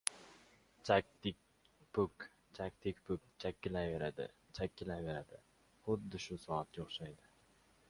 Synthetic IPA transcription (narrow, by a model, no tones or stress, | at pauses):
t͡ʃʰak̚ʲt̪ɪk̚ʲ | pʰʊk | t͡ʃʰak̚ʲt̪ʰɪkʲpʰʊkʲt͡ʃʰakʲːɪlajveɾad̪ɪ̰t͡ʃʰakʲːɪlajveɾad̪ɪ | χʊd̪ːɪʃʊsɒat̪joχʃajd̪ɪ